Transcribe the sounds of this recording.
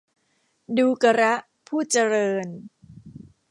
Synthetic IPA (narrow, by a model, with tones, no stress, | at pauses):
duː˧ka˧ɾa˦˥ʔ | pʰuː˥˩t͡ɕa˧ɾɤː˧n